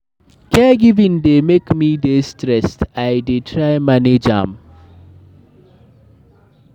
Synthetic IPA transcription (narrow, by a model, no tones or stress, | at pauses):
kɛɡivindemekmidestɾɛst̪ajdeʈʰɾajmaned͡ʒa̰ːm